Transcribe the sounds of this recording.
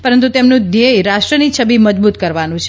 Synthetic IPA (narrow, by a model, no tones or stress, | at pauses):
pəɾənt̪̬ut̪emnũd̪ejɾaʃʈɾənit͡ʃʰəbiməd͡ʒbut̪̚kəɾʋanũt͡ʃʰe